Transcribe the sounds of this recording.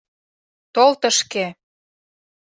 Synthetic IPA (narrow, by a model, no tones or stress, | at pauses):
t̪olt̪ə̆ʃke